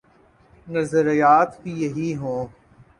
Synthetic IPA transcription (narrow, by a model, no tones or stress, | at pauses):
nɐzəɾijaːt̪kijɐɦiɦõː